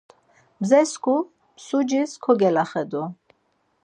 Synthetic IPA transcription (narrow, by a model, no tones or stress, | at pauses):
mzɛskʰu | msud͡ʒiskʰɔɡɛlaχɛd̪u